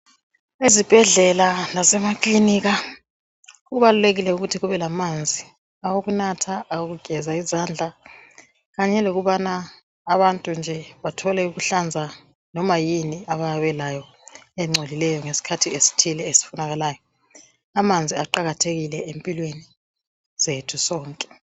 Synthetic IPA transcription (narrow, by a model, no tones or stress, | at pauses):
ezib̥ʱɛɮɛlanazɛmakʼliniːɣa | uɣuβaluleɣilɛuɣutʰiɣuβɛlamand͡zʱi | awoɣunatʰaawoɣuɡ̥ʱɛzaizand͡ɮʱa | ɣaɲɛloɣuβanaː | βantʼund͡ʒʱɛβatʰɔlɛuɣuɬand͡zʱa | nɔmajiniaβajaβɛlajɔ | ɛŋ͡ǀʱolilɛjɔŋesi̥kʰatʰiesi̥tʰilɛesi̥funaɣalaːjɔ | amand͡zʱiaǃaɣatʰeɣilɛempʼilweni | z̥etʰusɔːŋkʼɛ̥